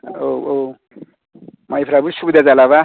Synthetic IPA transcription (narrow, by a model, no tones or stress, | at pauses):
oo | maipʰɾabusubd̪ad͡zalaβa